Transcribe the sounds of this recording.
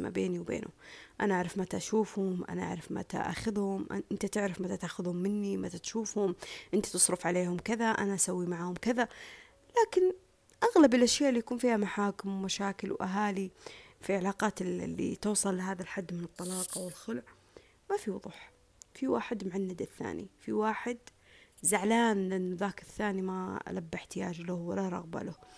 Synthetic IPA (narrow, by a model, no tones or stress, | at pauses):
ma̰beːniwbḛːnʊ̰ʔa̰naʔaʕɾɑfmat̪aʔaʃuːfhʊmʔa̰naʔa̰ʕɾˤɑfma̰t̪a̰ʔa̰xɪðhʊmʔʔɪnt̪at̪ɪʕɾɪfmat̪at̪ʔaxʊðhʊmːɪnːimat̪at̪ʃuːfhʊmʔɪnt̪ḁt̪ɨsˤɾʊfʕaleːhʊmkɪðaʔa̰naʔasawːimaʕhʊmkɪða | laːkɪn | ʔaɣlabɪlʔaʃjaːʔlːijakuːnfiːhamaħaːkɪmwmaʃaːkɪlwʔaɦaːlifiʕalaːqɑːt̪lːḭt̪ʊwsˤɑlːɦaːðalħad̪ːmɪnɨt̪ˤːɑlɑːqɑwɪlxʊlʕ | mafiwðˤṵːħ | fiwaːħɪd̪mʊʕanːad̪ɪθːa̰ːnḭfiwaːħɪd̪ | zaʕlaːnʔɪnːʊðaːkɪθːaːnimaa̰labːɪħt̪ɪjaːd͡ʒlʊhwalaɾˤɑ̰ɣba̰lʊh